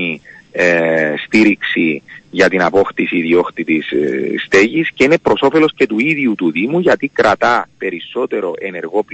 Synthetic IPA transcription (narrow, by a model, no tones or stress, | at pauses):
i | st̪iɾiksiʝɐt̪inɐpo̞xt̪isiðio̞xt̪it̪isst̪e̞ʝisce̞ine̞pɾo̞so̞fe̞lo̞sce̞t̪uiðjut̪uðimuʝɐt̪ikɾɐt̪ɐpe̞ɾisːo̞t̪e̞ɾo̞ʔe̞ne̞ɾɣo̞p